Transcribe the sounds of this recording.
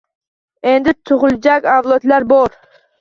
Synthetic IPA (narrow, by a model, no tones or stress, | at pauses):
end̪ɪt̪ʰʊʁʊlˠd͡ʒakʲɑvlˠot̪laɾboɾ